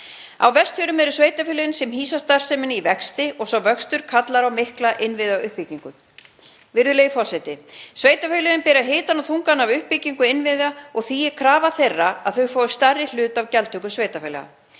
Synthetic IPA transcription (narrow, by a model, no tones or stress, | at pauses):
awvɛst̪fʏɾʏmɛɾʏsveːjt̪afʏleɪnsɛmɦiːsast̪ar̥sɛmɪnɪivɛkst̪ɪʔɔɣsawvœkst̪ʏɾ̥kʰat̪laɾawmɪhklaʔɪnvɪðaʏhpiciŋkʏ | vɪɾðʏleːjɪfɔ̥sɛt̪ɪsveːjt̪afœlɪɪnpɛːɾaɦeːt̪anawθuŋkanavʏhpiciŋkʏɪnvɪðaɔɣθiɛɾkʰɾaːvaθejrːaa̰ðθœɥfoːwʏst̪arːɪl̥ʏːt̪avcɛlt̪ʏkʏsveːjt̪afœːlɛ̰ɣa̰